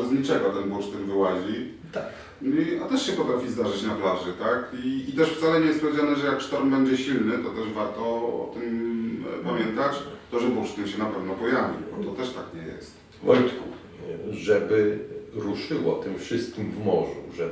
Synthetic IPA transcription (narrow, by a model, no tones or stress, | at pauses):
ɛzɲit͡ʂɛɡɔt̪ɛnbuʂt̪ɨmvɘwaʑi | t̪ak | niat̪ɛʂɕɛpɔt̪ɾafʲizd̪aʐɘt͡ɕnaplaʐɘt̪akiːt̪ɛʂft̪salɛɲɛjɛst̪pɔvʲed͡ʑanɛʐɛjakʂt̪ɔɾmbɛɲd͡ʑɛɕilnɘt̪ɔt̪ɛʐvaɾt̪ɔɔ̰t̪ɘm | pamʲjɛnt̪at͡ɕt̪ɔʐɛbuʂt̪ɘmɕɛnapɛvnɔpɔjavʲḭbɔt̪ɔt̪ɛʂt̪akɲɛjɛ̰st̪ | vɔjt̪ku | ʐɛbɘɾuʂɘwɔt̪ɘmfʂɘst̪̚kʲimvmɔʐṵʐɛ